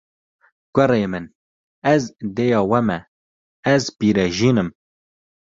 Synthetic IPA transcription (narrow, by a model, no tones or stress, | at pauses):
ɡ̥ʷɛɾeːmɨn | ɛzd̪eːjɑːwɛmɛ | ɛzbiːɾɛʒiːnɨm